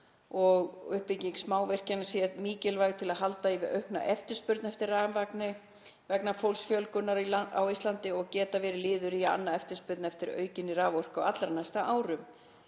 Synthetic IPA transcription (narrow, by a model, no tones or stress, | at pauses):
ɔɣʏhpɪciŋksmaːwvɛr̥canḁsjɛðmiːcɪlvajɣt̪ʰɪlaðɦalt̪aivɪðœ̰ɥhkna̰ʔɛft̪ʏɾ̥spʏɾt̪nɛft̪ɪɾːaːvanvaknɪ | vɛknafowlsfjœlkʏnːaɾiaa̰wist̪lant̪ɪɔɣcɛːt̪avɛːɾɪlɪːðʏɾia̰nːaɛft̪ʏ̥ɾspʏɾt̪nɛft̪ɪɾœ̰ːɥcɪnɪraːvɔr̥kawat̪laɾnajst̪aʔaːwɾʏm